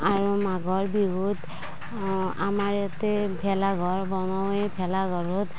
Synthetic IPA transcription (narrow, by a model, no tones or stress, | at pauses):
aɹumaɡɔɹbiɡut̪ | a̰maɹet̪epʰɛlaɡʱɔɹbɔnɔwepʰɛlaɡɔɹut̪